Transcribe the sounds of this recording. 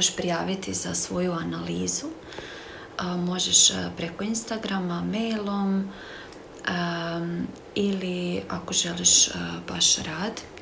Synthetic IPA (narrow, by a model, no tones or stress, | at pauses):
eʃpɾijaːʋit̪izasʋo̞juanaliːzu | mo̞ʒeʃpɾe̞ko̞inst̪aɡɾamamejlˠo̞m | iliako̞ʒe̞liʃb̥aʃɾaːd̪